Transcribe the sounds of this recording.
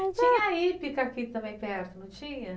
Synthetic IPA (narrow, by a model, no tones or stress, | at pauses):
t͡ʃiɲaipikakit̪̚t̪ɐ̃mẽj̃pɛɾt̪ʊnũt͡ʃiɲɐ